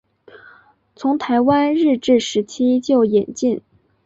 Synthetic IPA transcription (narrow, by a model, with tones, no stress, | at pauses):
t͡sʰʊ˧˥ŋt̪ʰa˧˥ɪwa˥nɻɻ̩˥˧ʈ͡ʂɻ̩˥˩ʂɻ̩˧˥t͡ɕʰi˥t͡ɕjo˥˩ʊjɛ˨˩nt͡ɕi˥˩n